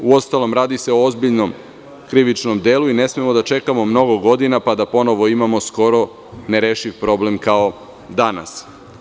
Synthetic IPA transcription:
uo̞st̪alo̞mɾaːd̪ise̞oozbiʎnom | kɾiʋit͡ʃnomd̪eːluine̞smemo̞d̪at͡ʃe̞kamo̞mno̞ɡo̞ɡo̞d̪inapad̪apo̞no̞ʋo̞imamo̞sko̞ɾo̞ | neɾeːʃiʋpɾo̞blemkao̞ | d̪ana̰s

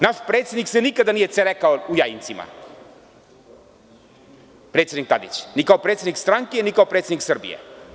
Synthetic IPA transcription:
naʃpɾet̪sjed̪niksɛnikad̪anijɛt̪sɛɾɛkaoujaint̪sima̰ | pɾet̪sjenik̚t̪ad̪ḭt͡ʃnikaɔpɾet̪sed̪nikst̪ɾaŋkijɛnikaopɾet̪sed̪niksərbḭɛ̰

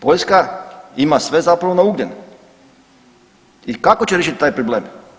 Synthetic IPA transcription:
po̞ʎskaimasʋe̞zapɾaʋonauɡɲen | ikakot͡ɕeɾʲeʃit̪̚t̪aːjpɾobleːm

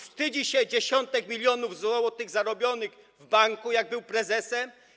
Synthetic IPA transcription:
fst̪ɘd͡ʑiɕɛd͡ʑeɕɔnt̪ɛkmʲilʲjɔnuvzwɔwɔt̪ɘɣzaɾɔbʲjɔnɘɣ | vbaŋkujaɡ̚bɘwpɾɛzɛsɛm

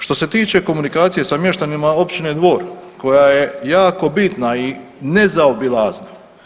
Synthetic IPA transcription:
ʃt̪o̞se̞t̪iːt͡ʃe̞ko̞munikaːt̪sije̞samje̞ʃt̪animao̞pt͡ɕine̞d̪ʋo̞ːɾko̞jaje̞jaːko̞bit̪naine̞zaobilˠaːzna

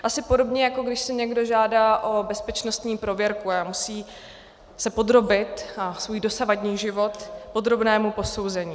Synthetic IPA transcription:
ʔasɪpo̞do̞bɲɛjako̞ɡdɪʃsɪɲɛɡdo̞ʒaːdaːʔo̞bɛspɛt͡ʃno̞st̪ɲiːpɾo̞vjɛɾkuamusiː | sɛpo̞d̪ɾo̞bɪt̪asvuːjdo̞savadɲiːʒɪvo̞t̪po̞d̪ɾo̞bnɛːmupo̞so̞wzɛɲiː

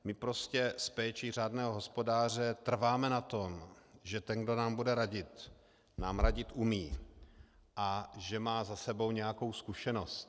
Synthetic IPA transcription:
mɪpɾo̞scɛspɛːt͡ʃir̝aːdnɛːɦoɦo̞spo̞daːr̝ɛt̪r̩vaːmɛnat̪o̞mʒɛt̪ɛnɡdo̞naːmbudɛɾaɟɪt̪ | naːmɾaɟɪt̪ʔumiː | ʔaʒɛmaːzasɛbo̞wɲɛjako̞wskuʃɛno̞st̪

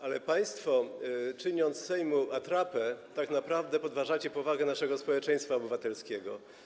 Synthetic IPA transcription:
ʔalɛpaj̃st̪fɔt͡ʂɘɲɔnt̪ssɛjmuat̪ɾapɛt̪aknapɾavd̪ɛpɔd̪vaʐat͡ɕɛpɔvaɡɛnaʂɛɡɔspɔwɛt͡ʂɛj̃st̪faɔbɘvat̪ɛlskʲɛɡɔ

